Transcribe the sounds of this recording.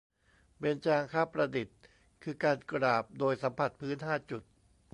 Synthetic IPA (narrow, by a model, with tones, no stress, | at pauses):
pe˧nt͡ɕaː˧ŋkʰaː˥˩pɾa˧di˨˩t̪̚ | kʰɯː˧kaː˧nkɾaː˨˩p̚doː˧jsa˩˦mpʰa˨˩t̪̚pʰɯː˦˥nɦaː˥˩t͡ɕu˨˩t̪̚